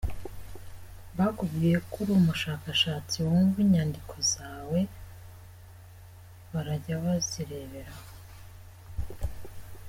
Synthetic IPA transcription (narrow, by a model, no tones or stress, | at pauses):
βakuɡɡije̞kuɾumuʃaːkaʃaːt͡siwoɱviɲaːndikʰo̞zaːwe̞ | βaɾaɟaβaziɾe̞βe̞ɾaho